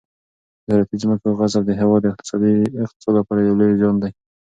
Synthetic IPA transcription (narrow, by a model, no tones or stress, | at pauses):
ɪzɑɾat̪izməkoɣazabd̪əɦewɑd̪ːɪq̚t̪ɪ̥sɑd̪iɪqt̪ɪ̥sɑd̪lapɑɾajawlojzɑnd̪aj